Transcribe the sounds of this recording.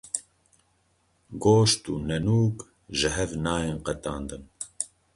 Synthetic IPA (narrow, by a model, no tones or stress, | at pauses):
ɡoːʃt̪uːnɛnuːk | ʒɪɦɛvnaːjeːnqɛt̪ɑːnd̪ɨn